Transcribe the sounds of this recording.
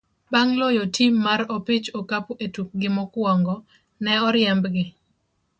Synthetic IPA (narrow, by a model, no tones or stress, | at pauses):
baŋlɔjɔtʰimːaɾɔpɪt͡ʃɔkapetuk̚ɡɪmɔkwɔŋɡɔ | nɛɔɾɪɛmbɡɪ